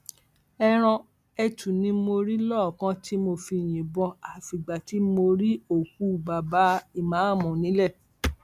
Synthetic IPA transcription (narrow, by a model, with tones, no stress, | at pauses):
ɛ˧ɾ̃ã˧ | ɛ˧tũ˨nĩ˧˦mo˧ɾi˦lɔ˦˨kã˦tʰi˦mo˧fi˧j̃ĩ˨bɔ̃˧a˨fi˨ɡ͡ba˨ti˨˦mo˧ɾi˦o˨ku˦˨ba˨ba˨˦i˨mã˨˦˨mɔ̃˨nĩ˨˦lɛ˦˨